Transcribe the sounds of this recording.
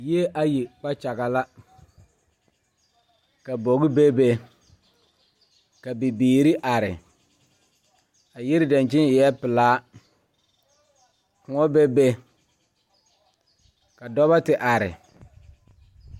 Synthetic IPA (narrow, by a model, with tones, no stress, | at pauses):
ji˦e˦ʔa˦ji˨k͡pa˦t͡ʃa˨ɣa˨la˦ | ka˨bo˨ɣɪ˦be˦be˦ | ka˨bi˨biː˨ɾi˦ʔa˨ɾɪ̰˨ | a˨jɪ˦ɾɪ˦da˨nt͡ʃɪ˦nɪ˨jɛ˦pɪ˨laː˦ | kʊ˨ŋɔ˦be˦be˦ | ka˨dɔ˦βa˦tɪ˨ʔa˨ɾɪ̰˨